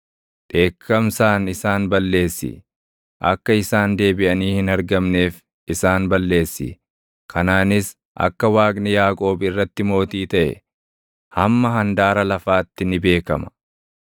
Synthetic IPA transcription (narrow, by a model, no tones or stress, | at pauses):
ᶑ̪ʼe̞ːkʰːɐmsaːnɪsaːnbɐlːe̞ːsːɪ̰ | ʔɐ̰kːɐɪsaːnd̪e̞ːbɪʔɐniːhɪnɐɾɡɐmne̞ːf | ɪsaːnbɐlːe̞ːsːɪ̰ | kʰɐnaːnɪs | ʔɐ̰kːɐwaːkʼnɪjaːkʼo̞ːbɪrːɐt̪ːɪmo̞ːt̪iːt̪ɐʔɛ̰ | hɐmːɐɦɐnd̪aːɾɐlɐfaːt̪ːɪnɪbe̞ːkɐmɐ̥